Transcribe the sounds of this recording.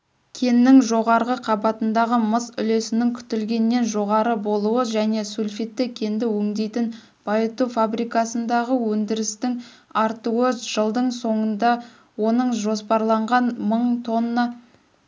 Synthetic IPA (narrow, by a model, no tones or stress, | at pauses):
kʲʰe̞nːɪŋʒo̞ʁɑɾʁəqʰɑbɑt̪ənd̪ɑʁəməzʏ̰le̞sɪnɪŋkʲʰʏ̥t̪ɪlɡʲe̞nːe̞nʒo̞ʁɑɾəbo̞lˠuwəʒæne̞sulʲfit̪ːɪkʲʰe̞nd̪ɪwɵŋd̪e̞jt̪ɪn | b̥ɑjət̪ufabɾijkɑsənd̪ɑʁəwɵnd̪ɪɾɪst̪ɪŋ | ɑɾt̪uwəʒ̥əlˠd̪əɴso̞ɴənd̪ɑ | wo̞nəɴʒo̞spɑɾlˠɑɴʁɑnməɴt̪ʰo̞nːɑ